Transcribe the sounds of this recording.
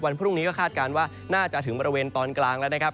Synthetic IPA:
wa˧npʰɾu˥˩ŋiː˦kɔː˥˩kʰaː˥˩t̪̚kaː˧nwaː˥˩ | naː˥˩t͡ɕa˨˩t̪ʰɯ˩˦ŋbɔː˧ɾi˧weː˧nt̪ɔː˧nklaː˧ŋlɛ˦˥wna˦˥kʰa˦˥p̚

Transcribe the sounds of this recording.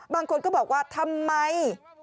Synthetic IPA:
ɓaː˧ŋkʰo˧nkɔː˧˥˩ɓɔː˨˩k̚waː˧˩t̪ʰa˧mːa˧j

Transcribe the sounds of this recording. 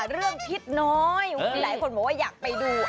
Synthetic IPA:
ɾɯ˥˩əŋpʰi˦˥t̪̚nɔ˦˥jlaː˩˦jkʰo˧nbɔː˨˩waː˥˩jaː˨˩k̚pa˧jduː˧

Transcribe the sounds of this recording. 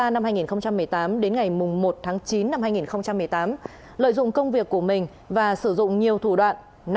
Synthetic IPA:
aː˧na˧mhaː˧jŋi˨˩nxə˧ŋ͡mt͡ɕa˧mːɨ˨˩əjt̪aː˨˦mɗe˨˦nŋa˨˩jmʊ˨˩ŋ͡mmo˨˩t̚t̪ʰaː˨˦ŋt͡ɕi˨˦nːa˧mhaː˧jŋi˨˩nxə˧wŋ͡mt͡ɕa˧mːɨ˨˩əjt̪aː˨˦m | lə̰ː˧˨jzʊ̰˧˨ŋ͡mkə˧wŋ͡mvi˨˩əkːu˧˩əmï˨˩ŋ̟ | vaː˨˩sɨ˧˩zʊ̰˧˨ŋ͡mɲi˨˩əwt̪ʰu˧˩ɗwa̰ː˧˨nː

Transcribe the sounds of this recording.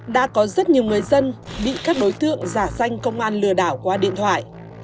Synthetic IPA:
ɗa̰ː˧˥kɔ˨˦zə˦˥t̚ɲi˨˩əwŋɨ˨˩əjzə˧nɓḭ˧˨kaː˦˥k̚ɗo˨˦jt̪ɨ̰˧˨əŋzaː˧˩sa˧jŋ̟kə˧wŋ͡mʔaː˧nlɨ˧˩əɗaː˧˩wkwaː˧ɗḭ˧˨ənt̪ʰwa̰ː˧˨jʔ

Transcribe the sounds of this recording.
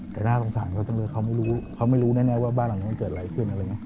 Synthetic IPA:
t̪ɛː˨˩naː˥˩lo˧ŋsaː˩˦nkʰa˦˥wt̪ɔ˥˩ŋlɤː˧jkʰa˦˥wma˥˩jɾuː˦˥kʰa˦˥wma˥˩jɾuː˦˥nɛː˥˩nɛː˧˥waː˥˩baː˥˩nla˨˩ŋ˦˥m˧˥˩kɤː˨˩t̪̚a˧˩a˧˦jkʰɯ˥˩nʔa˧ɾa˧jŋi˦˥˨

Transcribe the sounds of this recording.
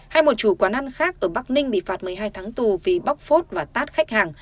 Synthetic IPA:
ha˧jmo˨˩t̚t͡ɕu˨˧˩kwaː˧˩na˧nxaː˦˥k̚ʔəː˧˩ɓa˦˥k̚nï˧ŋ̟ɓḭ˧˨faː˨˩t̚mɨ˨˩əjɦaː˧jt̪ʰaː˨˦ŋt̪u˨˩vi˨˩ɓa˦˥wk͡p̚fo˦˥t̚vaː˨˩t̪aː˦˥t̚xa˦˥jk̚haː˨˩ŋ

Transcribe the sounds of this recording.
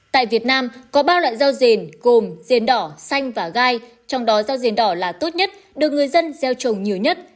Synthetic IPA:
t̪a̰ː˧˨jvi˨˩ət̚naː˧mkɔ˨˦ɓaː˧lwa̰ː˧˨jzaː˧wze˨˩nɣo˨˩mze˨˩nɗɔ˧˩sa˧jŋ̟vaː˨˩ɣaː˧j | t͡ɕɔ˧wŋ͡mɗɔ˨˦zaː˧wze˨˩nɗɔ˧˩laː˨˩t̪o˦˥t̚ɲə˦˥t̚ | ɗɨ˨˩ək̚ŋɨ˨˩əjzə˧nzɛ˧wt͡ɕə˨˩ŋ͡mɲi˨˩əwɲə˦˥t̚

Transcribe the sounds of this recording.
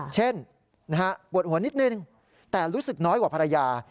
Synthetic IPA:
t͡ɕʰe˥˩n | na˦˥ka˦˥pu˨˩ət̪̚hu˩˦əni˦˥t̪̚nɯ˧ŋ | t̪ɛː˨˩ɾuː˦˥sɯ˨˩k̚nɔː˦˥jkwaː˨˩pʰa˧ɾa˧jaː˧

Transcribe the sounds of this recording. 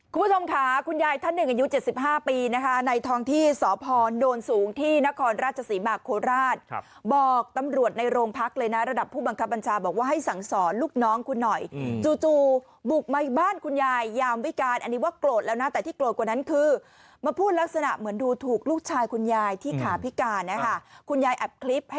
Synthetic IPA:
kʰu˧mbu˦˥˩t͡ɕʰo˧mkʰa˦˥kʰu˧njaː˧jt̪ʰa˥˩nːɯ˨˩ŋʔa˧ju˦˥t͡ɕe˨˩t̪̚si˨˩p̚ɦaː˥˩piː˧na˦˥kʰa˦˥na˧jt̪ʰɔː˧ŋt̪ʰiː˥˩sɔː˩˦pʰɔː˧noː˧nsuː˩˦ŋt̪ʰiː˥˩na˦˥kʰɔː˧nɾaː˥˩t͡ɕʰa˧siː˩˦maː˧˩kʰoː˧ɾaː˥˩t̪̚ | bɔː˨˩k̚t̪a˧mɾu˨˩ət̪̚na˧jɾoː˧ŋpʰa˦˥k̚lɤː˧jna˦˥ɾa˧da˨˩pʰːuː˥˩ba˧ŋkʰa˦˥p̚ba˧nt͡ɕʰaː˧bɔː˨˩k̚waː˥˩ɦa˥˩jsa˩˦ŋsɔː˩˦nluː˥˩k̚nɔː˦˥ŋkʰu˧nːɔ˨˩jt͡ɕuː˧t͡ɕuː˧˩ | bu˨˩k̚ma˧baː˥˩nkʰu˧njaː˧jːaː˧mwi˦˥kaː˧nʔa˧nːi˦˥waː˥˩kloː˨˩t̪̚lɛː˦˥wna˦˥t̪ɛː˨˩t̪ʰiː˥˩kloː˨˩t̪̚kwa˨˩na˦˥nkʰɯː˧ | ma˧pʰuː˥˩t̪̚la˦˥k̚sa˧na̰˨˩ʔmɯ˩˦ənduː˧t̪ʰuː˨˩k̚luː˥˩k̚t͡ɕʰaː˧jkʰu˧njaː˧jt̪ʰiː˥˩kʰaː˨˩˦pʰi˦˥kaː˧nːa˦˥kʰa˥˩kʰu˧njaː˧jʔɛ˨˩p̚kʰli˦˥p̚

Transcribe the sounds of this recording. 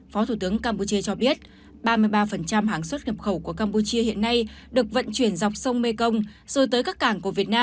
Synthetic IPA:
fɔ˨˦t̪ʰu˧˩t̪ɨ˨˦əŋkaː˧mpu˧t͡ɕi˧ət͡ɕɔ˧ɓi˦˥ət̚ | ɓaː˧mɨ˧əjɓaː˧fə˨˩nt͡ɕa˧mɦaː˨˩ŋswə˦˥t̚ŋə˨˩p̚xə˧˩wku˧˩əkaː˧mpu˧t͡ɕi˧əhḭ˧˨ənːa˧jɗɨ˨˩ək̚və̰˧˨nt͡ɕwi˧˩ənza˨˩wk͡p̚sə˧wŋ͡mme˧kə˧wŋ͡mz̥əː˨˩t̪əː˨˦jkaː˦˥kːaː˧˩ŋku˧˩əvi˨˩ət̚naː˧

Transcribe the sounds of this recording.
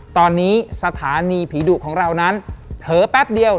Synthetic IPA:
t̪ɔː˧nːiː˦˥sa˧t̪ʰaː˩˦niː˧pʰiː˩˦duː˨˩kʰɔː˩˦ŋɾa˧wna˦˥np̪ʰɤː˨˦pɛ˦˥p̚di˧əw

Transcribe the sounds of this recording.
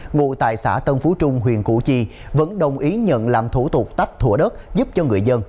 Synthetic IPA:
ŋṵ˧˨t̪a̰ː˧˨jsa̰ː˧˩t̪ə˧nfu˨˦t͡ɕʊ˧ŋ͡mɦwḭ˨˩ənku˧˩t͡ɕi˧və̰˧˥nɗə˨˩wŋ͡mʔi˨˦ɲə̰˧˨nlaː˨˩mt̪ʰu˧˩t̪ʊ˨˩k͡p̚t̪a˦˥jk̚t̪ʰu˧˩əɗə˦˥t̚zu˦˥p̚t͡ɕɔ˧ŋɨ˨˩əjzə˧n

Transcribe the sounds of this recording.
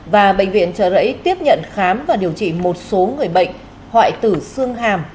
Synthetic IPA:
vaː˨˩ɓə̰˧˨ŋ̟vḭ˧˨ənt͡ɕəː˧˩zə̰˧˥jt̪i˦˥əp̚ɲə̰˧˨nxaː˨˦mvaː˨˩ɗi˨˩əwt͡ɕḭ˧˨mo˨˩t̚so˨˦ŋɨ˨˩əjɓə̰˧˨jŋ̟ | hwa̰ː˧˨jt̪ɨ˧˩sɨ˧əŋɦaː˨˩m

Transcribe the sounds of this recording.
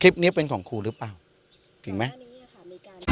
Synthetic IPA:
kʰɾi˦˥p̚ni˦˥pe˧nkʰɔː˩˦ŋkʰuː˧ɾɯ˦˥plaː˨˩w | t̪ʰɯ˨˩˦ŋma˦˥j

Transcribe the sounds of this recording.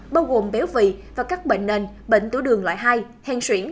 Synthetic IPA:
ɓaː˧wɣo˨˩mɓe˨˦wvḭ˧˨vaː˨˩kaː˦˥k̚ɓḛ˧˨ŋ̟ne˨˩n | ɓḛ˧˨ŋ̟t̪u˧˦ɗɨ˨˩əŋla̰ː˧˨jɦa˧j | hɛ˧˩nswi˧˩ən

